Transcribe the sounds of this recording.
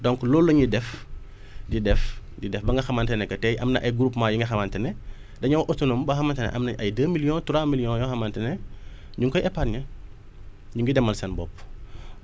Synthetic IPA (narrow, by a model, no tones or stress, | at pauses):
dɔŋklɔlːɐɲidɛf | didɛf | didɛfbɐŋɡɐxɐmɐntɛnɛkɐtɛjʔɐmnɐ̰ʔɐjɡuɾupmaːjuŋɡɐxɐmɐntɛnɛ | dɐɲɐwʔɔtunombɐxɐmɐntɐnɛ̰ʔɐ̰mnɐʔɐjdəːmilijɔ̃ntuɾamiljɔ̃njɔxɐmɐntɛnɛ | ɲuŋkɔjɛpaːtɲɐ | ɲuŋɡidɛmːɐlsɐnbɔpː